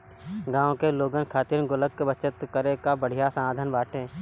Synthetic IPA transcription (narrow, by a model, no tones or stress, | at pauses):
ɡãːõkeloːɡənkʰaːt̪iɾɡʊləkːbət͡ʃət̪kəɾekabəɽ̤ijasəmaːd̪ʱənbaːʈʰẽː